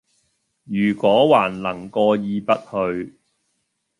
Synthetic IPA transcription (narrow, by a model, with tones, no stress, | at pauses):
jyː˨˩kʷɔː˨˥waː˨˩nlɐ˨˩ŋkɔː˧jiː˧pɐ˦˥t̚hɵ˧ɥ